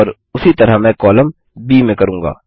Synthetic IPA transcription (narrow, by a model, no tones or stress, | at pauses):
ɔːɾ | ʊsit̪ɐɾamɛ̃ːkɔːləm | biːmẽkɐɾũːŋɡa̰ː